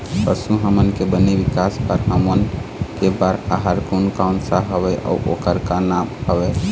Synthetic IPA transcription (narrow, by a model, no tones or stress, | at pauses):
pəsuɦəmənkebənebikaspəɾɦəmənkebaɾaɦəɾkunkaʊnsaɦəbɛʔa̰uʔo̰kəɾkanamhəbɛ